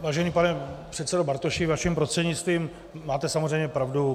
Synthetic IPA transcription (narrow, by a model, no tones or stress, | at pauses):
vaːʒɛniːpanɛpr̥ɛt̪t͡sɛdobaɾt̪oʃɪvaʃimpɾost̪r̥ɛdɲɪt͡st̪viːm | mːaːt̪ɛsamozrɛjmɲɛpɾavdu